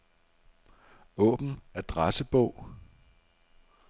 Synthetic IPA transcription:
ɔ̰̽ːb̥n̩æɐd̥ʁasəb̥ɔʊ̰

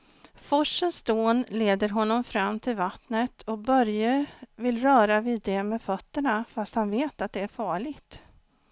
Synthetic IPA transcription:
fɔʂːənsd̪oːnleːd̪əɾɦɔnːɔmfɾamːt̪ʰɪlvat̪nət̪ʰɔbœɾjəvɪlːɾœːɾaviːd̪ɛmeːfœt̪ːəɳafast̪hanveːt̪at̪̚d̪ɛæɾfɑːɭɪɡt̪

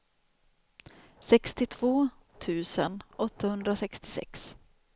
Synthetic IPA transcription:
sɛkst̪ɪt̪ʰv̥oː | t̪ʰʉ̟ːsənʔɔt̪ːahɵnd̪ɾasɛkst̪ɪ̥sɛ̰ks

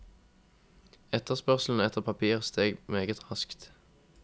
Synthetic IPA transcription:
ɛt̪əʁspœʁsl̩n̩ɛt̪ʰəʁpʰɑpʰiːʁst̪eːɡmeːɡət̪ʰʁɑskt̪

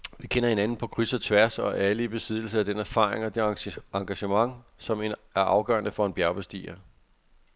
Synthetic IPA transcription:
ʋikʰen̰ɐhe̝nænn̩pʰɒ̽kʰʁysɐt͡sʰʋæɐsɒ̽ʔæləib̥e̝sið̞̰ˠl̩səæd̥enæɐfɑ̰̈ːʁḛŋɒd̥e̝ɑ̈ŋɡ̥æɕəmɑ̈ŋsɒ̽me̝næɐʔɑ̈ʊɡ̥ɶ̰ɐnəfɒ̽e̝nb̥jæɐb̥esd̥ḭːɐ

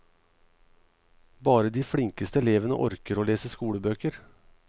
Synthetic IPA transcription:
bɑːɾəd̪iːfɽɪŋkəst̪əɛleːʋənə̰ʔɔ̰ɾkəɾoːleːsəskuːɽəbøːkəɾ

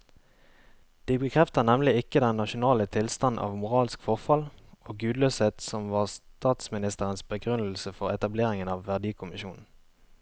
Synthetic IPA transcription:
d̪̥iːbəkʰʁɛft̪ənɛmlɪɪkəd̪ɛnːɑʃʊnɑːlət̪ʰɪlst̪ɑnʔɑ̰ːʋmʊʁɑːlskfɔʁfɑloːɡʉːd̪løːseːt̪sɔmʋɑːʁst̪ɑːt̪smɪnɪst̪əʁənsbəɡʁʉnl̩səfɔʁɛt̪ɑbleːʁɪŋənɑːʋːæʁd̪iːkʰʊmɪʃuːnn̩

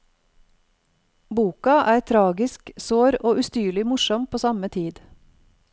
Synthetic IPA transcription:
buːkɑʔæːɾt̪ʰɾɑːɡɪsksoːɾoːʔʉst̪yːɭɪmʊʃɔmpʰoːsɑmət̪ʰiːd̪

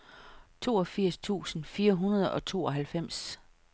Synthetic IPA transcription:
t͡sʰo̝̰ːɒfiɐ̰st͡sʰṵːsn̩fiːɐɦunɐð̞ˠɒ̽t͡sʰo̝̰ːɒ̽ɦælfem̰s

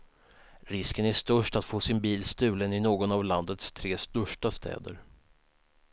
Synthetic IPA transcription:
ɾɪskənæʂt̪ɵʂʈat̪foːsɪnbiːlst̪ʉ̟ːlənɪnoːɡɔnavland̪ət̪st̪ʰɾeːst̪ɵʂʈast̪ʰɛ̰ːd̪ə̰ɾ

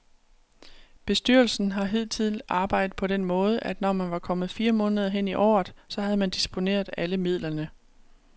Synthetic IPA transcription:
b̥e̝sd̥yɐ̰lsn̩ɦɑ̈ɦeð̞̰ˠt͡sʰið̰lʔɑ̈ːb̥ɑ̈ɪ̰d̥ð̩ˠpʰɒ̽ɾ̥enmɔ̽ːð̞ˠəʔæd̥nɒmænʋɑ̈kʰɒ̽mð̞̩ˠfiːɐmɔ̽ːnəð̞ˠɐɦen̰iʔɒ̰ːð̩ˠsɒ̽ɦæð̞̩ˠmænd̥isb̥o̝ne̝̰ːɐð̞ˠæləmið̞̰ˠlɐnə

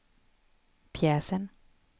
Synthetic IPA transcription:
pʰjɛːsən

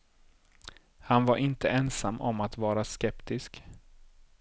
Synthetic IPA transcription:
hanvaɾʔɪnt̪əɛnsamːʔɔmːat̪vɑːɾaskɛpt̪ɪsk

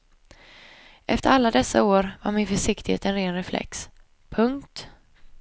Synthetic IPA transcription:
ʔɛft̪əɾalːad̪ɛsːa̰oːɾva̰ɾmɪnfœʂɪkt̪ɪhḛːt̪ɛnɾeːnɾɛflʔɛ̰ks | pʰɵŋkt̪

